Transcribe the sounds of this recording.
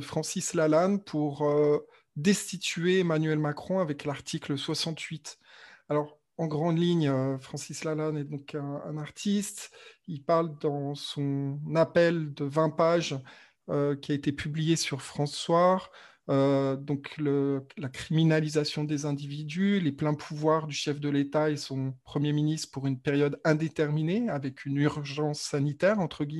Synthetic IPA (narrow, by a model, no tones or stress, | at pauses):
fχɑ̃sislalanpʰuʁø | d̪ɛst̪it̪yeemanɥɛlmakχɔ̃avɛklaʁt̪ʰikləswasɑ̃t̪ɥit̪ | alɔʁ | ɑ̃ɡʁɑ̃d̪liɲøfχɑ̃sislalanɛd̪ɔ̃kɛ̃ɛ̰̃naʁt̪ʰist̪ilpaʁld̪ɑ̃sɔ̃napɛld̪əvɛ̃paʒ | økʲiaet̪epʰyblijesyʁfχɑ̃sːwaʁ | ød̪ɔ̃kʰləlakχiminalizasjɔ̃d̪ezɛ̃d̪ivid̪yleplɛ̃pʰuvwaʁd̪yʃɛfd̪əlet̪aesɔ̃pχəmjeminist̪χəpuʁynpeʁjɔd̪ɛ̃d̪et̪ɛʁmineavɛkʰynyʁʒɑ̃sːanit̪ɛʁɑ̃t̪χəɡʲi